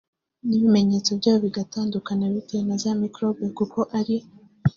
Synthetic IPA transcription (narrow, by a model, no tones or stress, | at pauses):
niβime̞ɲe̞t͡so̞bjɟaːβoβiɡataːndukanaβitenazamikɾo̞bekuko̞ʔaɾi